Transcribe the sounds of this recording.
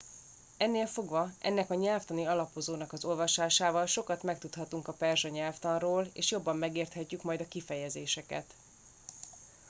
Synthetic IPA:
ɛnːeːlfo̞ɡvɒʔɛ̰nːɛkɒɲɛlft̪ɒniɒlɒpo̞zoːnɒkɒzo̞lvɒʃaːʃaːvɒlʃo̞kɒt̪mɛk̚t̪ut̪hɒt̪uŋkɒpɛrʒɒɲɛlft̪ɒnroːlḛːʃjobːɒmːɛɡeːrt̪hɛcːykmɒjd̪ɒkifɛjɛzeːʃɛkɛ̰t̪

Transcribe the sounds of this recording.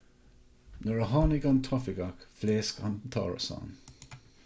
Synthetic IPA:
nəɹəɦɑːnɪɡɔnt̪ʰɔfɪɡakfleːskant̪ʰɑ̰ːɹə̰sa̰ːn

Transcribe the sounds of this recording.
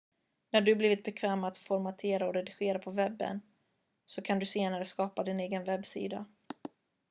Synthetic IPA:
næɖɵbliːvɪt̪̚bɛkʰvɛːmat̪fɔɾmat̪ʰeːɾaɔɾɛd̪ɪɧeːɾapʰɔvɛbːə̰n | sɔkʰand̪ɵseːnaɾəskɑːpad̪ɪneːɡənvɛbːsḭːd̪a̰

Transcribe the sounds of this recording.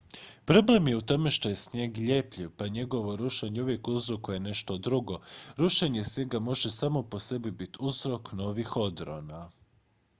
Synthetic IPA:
pɾo̞ble̞mje̞ut̪o̞me̞ʃt̪o̞jesɲjeːɡʎe̞pʎiʋpaɲe̞ɡo̞ʋo̞ɾuʃeɲeuʋje̞kuzɾo̞kuje̞ne̞ʃt̪od̪ɾuɡo̞ɾuʃeɲe̞sjeɡamo̞ʒe̞saːmo̞po̞se̞bibit̪uzɾo̞kno̞ːʋixo̞d̪ɾo̰na

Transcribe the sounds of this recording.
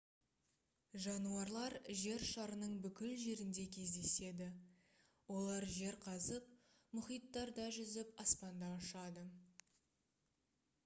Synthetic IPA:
ʒɑnuɑɾlˠɑɾʒe̞ɾʃɑɾənəɴbʏkʲɪlʒe̞ɾɪnd̪e̞kʲʰe̞zd̪e̞se̞d̪ɪ | wo̞lˠɑɾʒe̞ɾqʰɑzəp̚ | mʊχijt̪ːɑɾd̪ɑʒʏzɪpɑspɑnd̪ɑɑʃɑd̪ə

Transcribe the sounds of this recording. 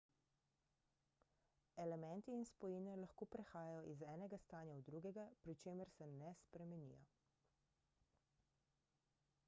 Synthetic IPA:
ɛlɛmɛnt̪iːnspɔjiːnɛlaxkoːpɾɛxaːjajɔʔizɛːnɛɡast̪aːnjaud̪ɾuɡɛɡapɾit͡ʃeːməɾsɛnɛspɾɛmɛnḭjɔ̰

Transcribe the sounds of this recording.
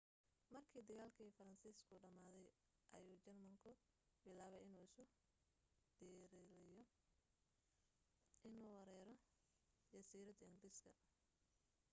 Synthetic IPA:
mɐrkʰiːd̪ɐɣaːlkʰiːfɐɾɐnsiːskʰʊɖɐmaːðɛj | ʔɐ̰juːt͡ʃɐrmɐŋkʰʊ | bɪlaːβɛjɪnuːɪsʊ | d̪̥ɛːɾlɪjɔ | ʔɪnuːwɐɾɛːɾɔ | d͡ʒɐsiːɾɐd̪ɐɪŋɡɪɾiːskʰɐ

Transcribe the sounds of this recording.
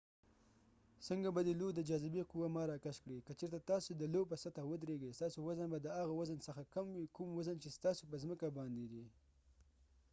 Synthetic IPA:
səŋɡabad̪əlod̪əd͡ʒɑzɪbiquwamɑɾɑkaʃkɽekət͡ʃeɾt̪at̪ɑsod̪əlopəsat̪awəd̪ɾeɡest̪ɑsowazənbad̪əaɣawazənsəxakamwikumwazənt͡ʃest̪ɑsopəzməkabɑnd̪ed̪i

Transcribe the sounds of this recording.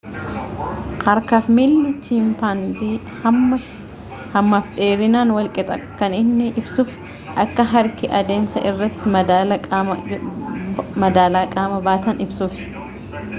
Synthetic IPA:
kɐɾkaːfmilːɪt͡ʃimpanziː | hɐmːɐfᶑeːɾɪnaːnwɐlkʼɪt̪ʼɐkɐnɪnːɪʔɪbsʊf | ʔɐkːɐɦɐɾkɪʔɐd̪e̞ːmsɐʔɪrːɐt̪ːɪmɐd̪aːlɐ | mɐd̪aːlaːkʼaːmɐbaːt̪ɐnɪbsuːfsɪ̥

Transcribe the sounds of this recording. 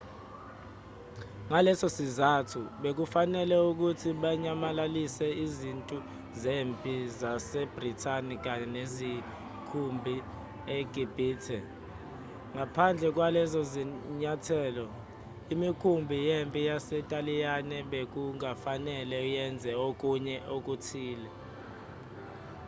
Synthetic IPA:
ŋalɛsosizatʰuɓek̬ufanɛlɛuk̬utʰiɓaɲamalalisɛizintʼu | zempʼizasɛb̥ritʰanik̬ʼanezi | kʰumbʱi | eɡ̥ʱib̥ʱiːtʰɛ | ŋʱapʰand͡ɮʱɛk̬walɛzɔziɲatʰɛːlɔ | imikʰumbʱijempʼijasɛtʼalijanɛɓek̬uŋafanɛlɛujɛnd͡zʱɛok̬ʼuɲɛok̬ʼutʰiːlɛ

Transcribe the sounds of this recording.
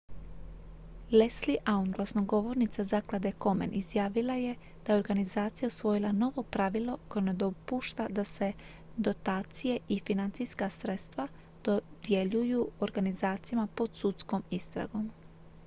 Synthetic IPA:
lesliʔaunɡlˠasnoɡo̞ʋo̞ɾnit̪sazaklˠad̪eko̞mḛnʔizjaːʋilaje̞ | d̪̥ajeo̞ɾɡanizaːt̪sijausʋo̞jilˠano̞ʋo̞pɾaʋilˠo̞ko̞jone̞d̪o̞puːʃt̪ad̪ase̞ | d̪o̞t̪aːt̪sije̞ifinant̪sijskasɾe̞t̪st̪ʋa | d̪̥od̪̥jeʎujuoɾɡanizaːt̪sijamapo̞d̪sut̪sko̞mist̪ɾa̰ɡo̞m

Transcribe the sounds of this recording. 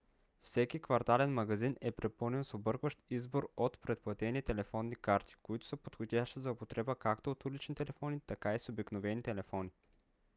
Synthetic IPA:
fsɛkikvɐɾt̪alɛnmɐɡɐzinɛpɾɛpɤlˠnɛnsobɤɾkvəʃt̪izboɾot̪pɾɛt̪̚plˠɐt̪ɛnit̪ɛlɛfɔnːikaɾt̪ʰi̥koit̪ʊ̥səpot̪xod̪ʲaʃt̪izɐʊpot̪ɾɛbəkakt̪oːt̪ulit͡ʃnit̪ɛlɛfɔnit̪ɐkaisobiknovɛnit̪ɛlɛfɔni

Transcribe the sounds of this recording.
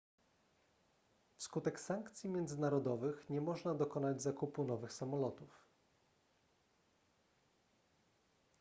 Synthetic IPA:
fskut̪ɛksaŋkt̪sʲjimʲjɛnd̪zɘnaɾɔd̪ɔvɘxɲɛmɔʐnad̪ɔkɔnad͡ʑzakupunɔvɘxsamɔlɔt̪uf

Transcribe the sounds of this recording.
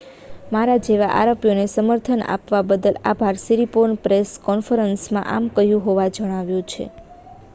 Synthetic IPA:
maɾad͡ʒeʋaʔa̰ɾəpjonesəməɾt̪ʰəna̰pʋabəd̪əla̰bʱaɾsiɾiponpɾeskɔnfəɾənsmã̰ʔamkəɦjũɦoʋad͡ʒəɽ̃aʋjũt͡ʃʰḛ

